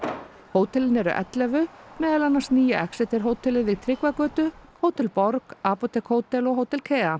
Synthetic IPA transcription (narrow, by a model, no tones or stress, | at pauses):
hoːwt̪ʰɛlɪnɛɾʏ̰ʔɛ̰t̪lɛvʏmɛːðalanːḁsniːjaʔɛksɛt̪ɛɾ̥ɦoːwt̪ʰɛlɪðɪt̪ʰɾɪkvakœːt̪ʏkhʰoːwt̪ɛlpɔɾkaːpɔt̪ɛkʰhoːwt̪ɛlɔɣɦoːwt̪ɛlkʰɛːa